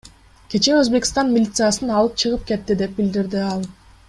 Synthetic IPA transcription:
kʲe̞t͡ʃe̞øzbe̞kʲi̥st̪ɑnmʲɪlʲit̪sɨjasɯnɑlˠɯp̚t͡ʃʰɯʁɯp̚ke̞t̪ːid̪e̞p̚bild̪iɾd̪iɑlˠ

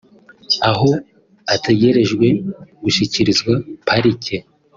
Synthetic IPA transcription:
aɦo̞ | ateɟe̞ɾe̞ʒɡwe̞ɡ̥uʃiciɾizɡwapʰaɾicʰe

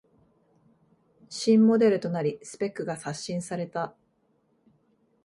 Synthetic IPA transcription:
ɕĩmːo̞d̪e̞ɾɯ̟t̪o̞naɾʲisɨ̥pe̞kːɯ̟ɡasaɕːĩɰ̃saɾe̞t̪a

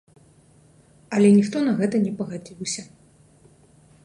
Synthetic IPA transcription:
ɐlʲɛnʲixt̪ɔnɐɣɛt̪ɐnʲɛpɐɣad͡zʲiwsʲɐ

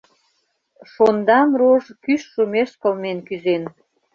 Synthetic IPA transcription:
ʃond̪ɑmroʒkyʃːumeʃkə̆lmenkyzen

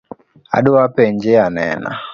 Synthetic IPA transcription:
a̰dʊwapɛɲd͡ʒeanɛ̰na̰

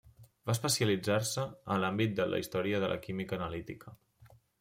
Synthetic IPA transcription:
baəspəsiəlid͡zarsəəːnlambit̪̚d̪əlʔə̰ḭst̪ɔɾiəðəlʔə̰kimikəːnəlit̪ikʰə

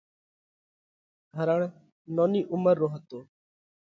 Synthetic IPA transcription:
ɡʱəɾəɳ | noːniːʔʊməɾːoːɦət̪oː

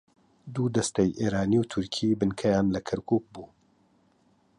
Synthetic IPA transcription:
d̪uːd̪ɐst̪ɐjʔeːɾaːniːwt̪ʰʊɾkʰiːbɨnkʰɛjaːnlɐkʰɐɾkʰuːk̚buː

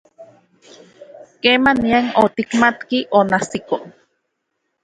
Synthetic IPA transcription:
kemaniaŋot̪ikmat̪kiʔonasiko

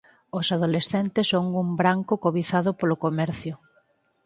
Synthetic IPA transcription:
osaðolesθent̪esːoŋumbɾaŋkʊkoβiθaðʊpolokomɛɾθjʊ

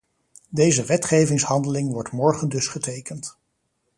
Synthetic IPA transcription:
dejzəʋɛtχejvɪŋshɑndəlɪŋʋɔɹtmɔɹχəndɵsχətejkənt

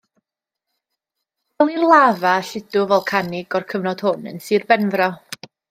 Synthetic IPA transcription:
ɛlˠirlˠaːvaɬɪdʊvɛlˠkʰanɪɡɔrkʰəvnɔd̥hʊnə̰nsɨːrbɛnvrɔ

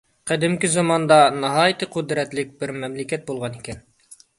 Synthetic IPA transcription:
qæd̪ɪmkʲɪzɑmɑnd̪ɑnɑɦɑit̪ɘqʉd̪ɾɛt̪lɪk̚bɪɾmæmlɪkʲæt̪̚bulˠʁɑnikʲɛn

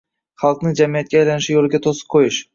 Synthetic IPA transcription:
χɑlˠqnɪd͡ʒamijat̪̚kʲaːjlanɪʃɪjolˠɪɡʲat̪ʰosɨ̥p̚qʰojɪʃ

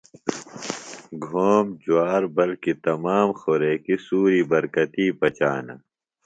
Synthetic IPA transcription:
ɡʱoːmd͡ʑuaːɾbɐlkit̪ɐmaːmxoɾeːkisuːɾiːbɐɾkɐt̪iːpɐt͡ɕaːnɐ̰

